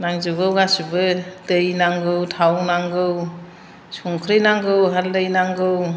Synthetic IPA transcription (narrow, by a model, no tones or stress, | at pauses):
naŋzɯɡɯwɡasubɯtɯjnaŋɡɯwtʰawnaŋɡɯw | suŋkʰɾijnaŋɡɯwɦaldɯjnaŋɡɯw